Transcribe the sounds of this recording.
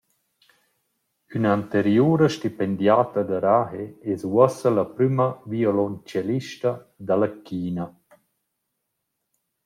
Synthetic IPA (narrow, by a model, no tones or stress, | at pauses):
ynaant̪eɾjuːɾəʃtipend̪jaːt̪ɐd̪aɾaheɛswɔsəlapɾymɐviolɔnt͡ʃaliʃta | d̪alakʰiːna